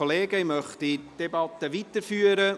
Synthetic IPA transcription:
oleːɡəɪmœχt̪id̥ebɑt̪əʋitəɾfyːəɾə

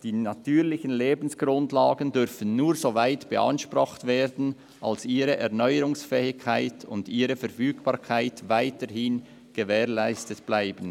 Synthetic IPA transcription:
d̥iːnatʰyːɾlɪçənleːbn̩sɡ̥ɾʊntlaːɡən̩dʏɾfən̩nuːɾzoːvaɪtb̥ə̰ʔa̰nʃpʁʊχtv̥eːdn̩ | ʔalsʔiːɾəʔɛɐʁnɔʏəɾʊŋsfɛːɪkʰːaɪtʰʊndiːɾəfɛɐfyːɡb̥ɑːɾkʰaɪtvaɪtəɾhɪn | ɡ̥əvɛːʁlaɪstətb̥laɪbən̩

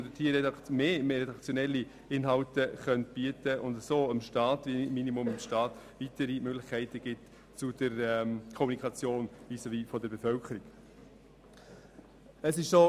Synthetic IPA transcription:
dətʰiːɾɛdɑmeːmeːɾɛdɑkt͡sjɔnɛlːi | ɪnɦɑltəχœntb̥iətəʔʊndəsoːəmʃtɑːtviminimʊməmʃtɑːt | vitəɾimøɡlɪχkʰæɪtəɡ̥ɪt | t͡sud̥əɾɛmkʰɔmunikʰɑt͡sjoːnisoviːfɔdəɾbefœlkʰəɾiɡ̥ | əsɪʃso

